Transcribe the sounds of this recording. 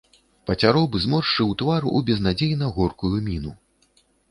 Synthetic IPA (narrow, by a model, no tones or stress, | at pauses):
pɐt͡sʲaɾɔbɨzmɔʂt͡ʂɨwt̪vaɾuʔubʲɛznad͡zʲejnɐɣɔrkujumʲinu